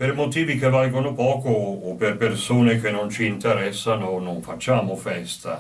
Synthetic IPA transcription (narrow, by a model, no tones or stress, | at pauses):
permot̪iːvikevalɡonopɔːkoːperpersoːnekenːont͡ʃiːnt̪eɾɛsːanonoɱfat͡ʃːaːmofɛst̪a̰